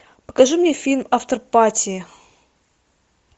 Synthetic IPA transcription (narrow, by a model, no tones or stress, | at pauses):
pə̥kɐʐɨmnʲefʲilʲmaft̪ərpatʲɪɪ